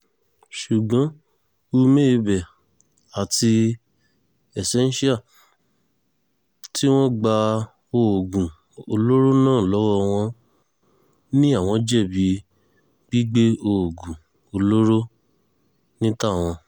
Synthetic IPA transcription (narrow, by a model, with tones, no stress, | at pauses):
ʃu˨ɡ͡bɔ̃˨˦ | u˧me˦˧bɛ˨ | a˨tʰi˧ | ɛ˨sɛ˨˦n˦ʃi˦a˦˨ | ti˦w̃ɔ̃˦ɡ͡ba˧ | o˧o˨ɡũ˨ | o˧lo˦ɾo˦nãː˦˨lɔ˨˦wɔ˦˧w̃ɔ̃˧ | nĩ˦a˦˨w̃ɔ̃˧d͡ʒɛ˦˨bi˨˦ | ɡ͡bi˦ɡ͡be˦o˧˨o˨ɡũ˨ | o˧lo˦ɾo˦ | nĩ˦ta˦˨w̃ɔ̃˧